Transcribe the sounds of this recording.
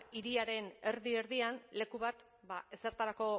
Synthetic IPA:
iɾiaɾe̞ne̞ɾðie̞ɾðianle̞kuβat̪ | bae̞se̞ɾt̪aɾako̞

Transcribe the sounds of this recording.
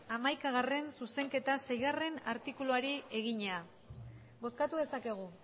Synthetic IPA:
amajkaɣ̞are̞nsuse̞ŋke̞t̪asejɣare̞na̰ɾt̪ikuluaɾie̞ɣ̞iɲea | bo̞skat̪uðe̞sake̞ɣ̞u

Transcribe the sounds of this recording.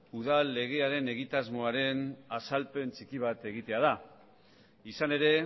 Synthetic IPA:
uðalːe̞ɣ̞e̞aɾe̞ne̞ɣit̪azmo̞aɾe̞nasalpe̞nt͡ʃikiβ̞at̪e̞ɣ̞it̪e̞að̞a | isane̞ɾe̞

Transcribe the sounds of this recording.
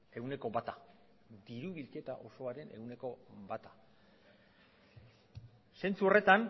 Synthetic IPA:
e̞ɣune̞ko̞βat̪a | d̪iɾuβilke̞t̪aʔo̞so̞aɾe̞ne̞ɣune̞ko̞βat̪ḁ | se̞nt͡suo̞re̞t̪an

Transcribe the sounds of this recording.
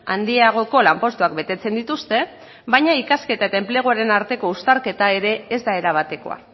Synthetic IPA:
a̰nd̪iaɣ̞o̞ko̞lampo̞st̪uakbe̞t̪e̞t͡se̞nd̪it̪ust̪e̞ | βajɲaikaske̞t̪aet̪aempleɣ̞oaɾe̞naɾt̪e̞ko̞ust̪aɾke̞t̪ae̞ɾe̞ːzd̪ae̞ɾaβ̞at̪e̞ko̞̰a̰

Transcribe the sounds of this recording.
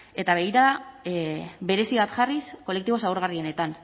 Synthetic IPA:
e̞t̪aβ̞e̞ɣiɾa | βe̞ɾe̞siβat̪ʝarisko̞le̞kt̪iβo̞sawuɾɣarie̞ne̞t̪an

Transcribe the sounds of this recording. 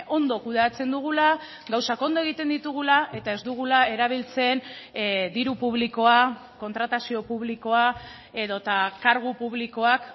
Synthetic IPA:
o̞nd̪o̞kuð̞eat͡se̞nd̪uɣ̞ula | ɡawsako̞nd̪oɣit̪e̞nd̪it̪uɣ̞ulaʔe̞t̪ae̞zd̪uɣ̞ulae̞ɾaβ̞ilt͡se̞n | d̪iɾupuβliko̞a | ko̞nt̪ɾat̪asio̞puβliko̞a | e̞ðo̞t̪akaɾɣ̞upuβliko̞ak

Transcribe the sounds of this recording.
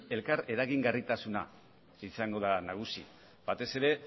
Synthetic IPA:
e̞lkaɾe̞ɾaɣiŋɡarit̪asuna̰ | isaŋɡo̞ðanaɣ̞usi | bat̪e̞se̞ɾe̞

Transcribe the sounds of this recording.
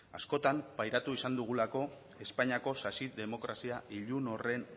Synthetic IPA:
a̰sko̞t̪ampajɾat̪uisand̪uɣ̞ulako̞ | e̞spaɲiako̞sasid̪e̞mo̞kɾasiaiʎuno̞re̞n

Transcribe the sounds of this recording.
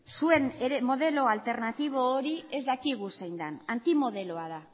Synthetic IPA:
sue̞neɾemo̞ðe̞lo̞alt̪e̞ɾnat̪iβ̞o̞ːɾie̞zd̪akiɣ̞usejnd̪anant̪imo̞ð̞e̞lo̞að̞a

